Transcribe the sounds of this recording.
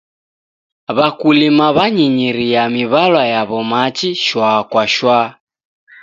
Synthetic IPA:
βakulimaβaɲiɲiɾijamiβalwajaβɔmat͡ʃiʃwakwaʃwa

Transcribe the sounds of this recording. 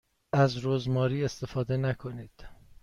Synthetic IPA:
ʔæzɾozmɒːɾiːe̞st̪e̞fɒːd̪e̞nækʰoniːd̪̥

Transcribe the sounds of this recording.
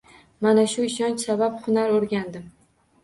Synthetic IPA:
manaʃʊɪʃɒnt͡ʃsabaphʊnaɾoɾɡʲand̪ɪm

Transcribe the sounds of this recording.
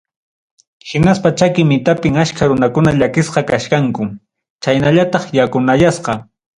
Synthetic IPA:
hɪnaspat͡ʃakɪmɪt̪apɪŋaʃkaɾʊnakʊnaʎakɪsqɑkaʃkaŋkʊ | t͡ʃajnaʎat̪ɑχjakʊnajasqɑ

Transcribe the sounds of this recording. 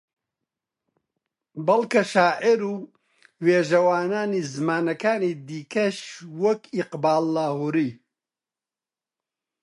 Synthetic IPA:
bɐlkɐʃaːʔɪɾuː | weːʒɐwaːnaːniːzɨmaːnɐkaːniːd̪iːkɐʃwɐkiqbaːlːaːhuɾiː

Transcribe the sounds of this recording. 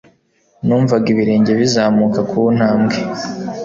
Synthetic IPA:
nuːɱvaɡiβiɾeːɲɟe̞βizaːmukakun̥haːmɡe

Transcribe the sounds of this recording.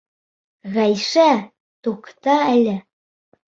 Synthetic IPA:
ɣæjʃæ | t̪okt̪ɑælʲɘ̆

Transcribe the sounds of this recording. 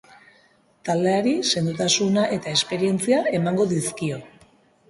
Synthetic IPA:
t̪ald̪eaɾise̞nd̪ut̪asunaʔe̞t̪ae̞spe̞ɾie̞nt͡siae̞maŋɡo̞ðiskio̞

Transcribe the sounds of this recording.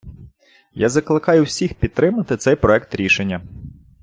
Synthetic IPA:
jazɐklˠɪkɑjʊwsʲixpʲid̪̚t̪ɾɪmɐt̪ɪt̪sɛjpɾɔɛkt̪ɾʲiʃenʲːɐ

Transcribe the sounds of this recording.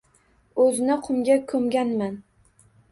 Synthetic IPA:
ɵzɪnɪqʰʊmɡʲakʰɵmɡʲanman

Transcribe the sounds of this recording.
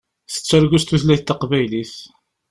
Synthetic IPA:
θə̥t͡sːæɾɡʷust̪uθlæjθt̪ːɑqvæjliθ

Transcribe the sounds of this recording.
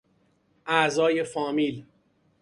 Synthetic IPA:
ʔæzɒːje̞fɒːmiːl

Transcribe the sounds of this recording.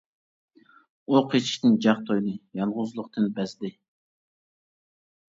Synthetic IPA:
uqʰet͡ʃʰi̥ʃt̪ɪnd͡ʒɑχ̚t̪ʰojnɨjɑɴʁʊzlˠʊqt̪ɨnbɛzd̪ɪ

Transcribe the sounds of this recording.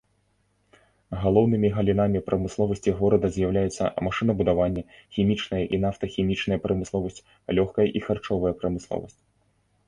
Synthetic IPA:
ɣalˠɔwn̪ɨmʲiɣɐlʲin̪amʲipɾɐmɨslˠɔvɐsʲtʲiɣɔɾɐd̪ɐzʲjawlʲajɛt̪sːɐ̰maʂɨnɐbud̪avanʲːɐxʲimʲit͡ʂnɐjɐʔinaft̪ɐxʲimʲit͡ʂnɐjɐpɾɐmɨslˠɔvɐsʲt͡sʲ | lʲɔxkɐjɐʔixart͡ʂɔvɐjɐpɾɐmɨslˠɔ̰vɐ̰sʲtt͡sʲ

